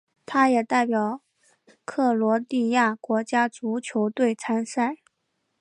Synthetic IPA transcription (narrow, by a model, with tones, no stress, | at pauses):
t̪ʰa˥jɛ˨˩t̪a˥˩ɪpjɑ˨˩˦ʊ | kʰɤ˥˩lwɔ˧˥t̪i˥˧ja˥˩kwɔ˧˥t͡ɕja˥t͡su˧˥t͡ɕʰjo˧˥ʊt̪we˥˩ɪt͡sʰa˥nsa˥˩ɪ